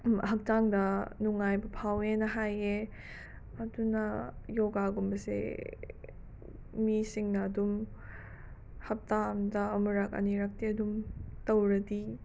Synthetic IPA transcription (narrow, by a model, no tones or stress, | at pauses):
ɦɐk̚taŋdɐnuŋajbɐpʰawenɐɦaje | ɐdunɐjoɡaɡumbɐsḛ | misiŋnɐːdum | hɐp̚tamdɐːmuɾɐk̚ɐ̰niɾɐk̚tiɐdumtɐwɾɐdi